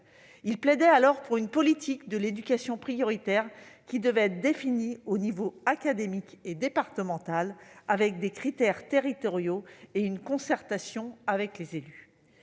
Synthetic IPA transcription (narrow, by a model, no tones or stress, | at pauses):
ilplɛd̪ɛalɔʁpuʁynpɔlit̪ʰikd̪əled̪ykʲasjɔ̃pχijɔʁit̪ɛʁkʲid̪əvɛɛt̪d̪efinionivoakad̪emiked̪epaʁt̪əmɑ̃t̪alavɛk̚d̪ekχit̪ɛʁt̪eʁit̪ɔʁjoeynkɔ̃sɛʁt̪asjɔ̃avɛklezely